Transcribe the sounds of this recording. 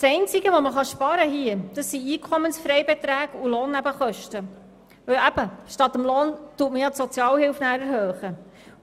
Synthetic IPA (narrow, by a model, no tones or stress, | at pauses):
sɛɪnt͡siɡəʋoməχɑʃpɑɾəɦiəd̥̪ɑsːiiːkʰɔmənsfɾɛɪbet̪ɾæːɡuloːnːæbəχœʃtə | vœwæb̥əʃtɑt̪əmloːntuətməjɑtsɔt͡sjɑːlhɪlfnæːɾæɾɦøːχə